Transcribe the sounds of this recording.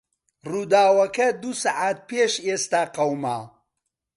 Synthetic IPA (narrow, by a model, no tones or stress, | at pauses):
ruːd̪aːwɐkɐd̪usaʕaːt̪̚peːʃest̪aːqɐwmaː